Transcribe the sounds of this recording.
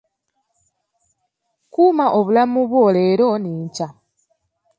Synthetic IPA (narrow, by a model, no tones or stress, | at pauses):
kuːmaʔo̞βulamuβwo̞ːle̞ːɾo̞niːɲca